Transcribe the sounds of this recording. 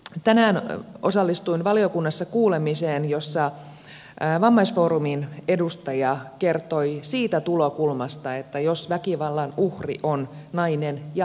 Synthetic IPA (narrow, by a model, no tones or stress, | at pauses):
t̪ænæːnosɑlːist̪uinʋɑliokunːɑsːɑkuːlemiseːnjosːɑ | ʋɑmːɑisfoːɾuminedust̪ɑjɑkert̪oisiːt̪æt̪ulokulmɑst̪ɑet̪ːæjosʋækiʋɑlːɑnuhrḭʔonnɑinenjɑ